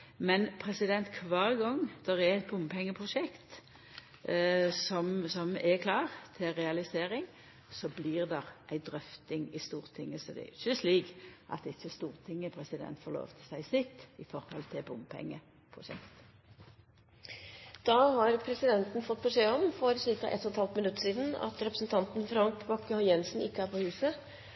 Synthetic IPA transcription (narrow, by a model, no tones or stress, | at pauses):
mɛnpʰɾɛsɪd̪ɛnt̪kʰʋɑːʁɡɔŋd̪̥ɛʁɛɛt̪̚bʊmpʰɛŋːəpʰʁʊʂɛkt̪ | sɔmsɔmɛkʰlɑːʁt̪ʰɪʁɛɑlɪseːɾɪŋ | sɔblɪːʁd̪ɛʁʔæɪd̪ʁœft̪ɪŋɪst̪uːʁt̪ʰɪŋːəsɔd̪ɛ̰ɪt͡ʃːəsliːkʔɑ̰t̪ɪt͡ʃːəst̪uːʁt̪ʰɪŋːəpʰɾɛsɪd̪ɛ̰nt̪fɔlo̰ːʋt̪ʰəsæɪslɪkt̪ɪfɔɾhɔ̰lt̪ʰɪbʊmpʰɛ̰ŋːə | pʰʁʊʂɛ̰kt̪ | d̪̥ɑːhɑɾpʰɾɛsɪd̪ɛnt̪n̩fɔt̪̚ːpʰɾʊseːɔmfɔɾsɪɾkɑ̰ʔɛ̰t̪ɔɔt̪hɑlt̪mɪnʉt̪ːəʂiːd̪n̩ɑ̰t̪ɾɛpɾəsn̩t̪ʰɑnt̪n̩fɾɑŋkbɑkːəhɔjɛnsn̩ɪkːəæɾpʰɔhʉːsə